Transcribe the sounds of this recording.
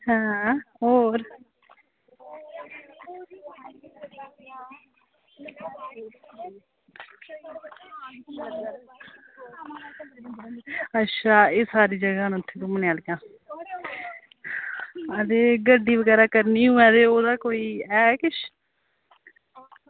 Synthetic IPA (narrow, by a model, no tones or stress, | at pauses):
hɛ̃ːɦoːɾ | ətːʃʰaːeːsaːɾiːd͡ʒəɡaːñːʊt̪ʰːeːk̪omənjaːlkjãː | əd̪eːɡəɖːiːʋəɡɛːɾaːkəɾniːɦũːɛ̃ːd̪eːoːd̪aːkoːiːɛːkɪʃ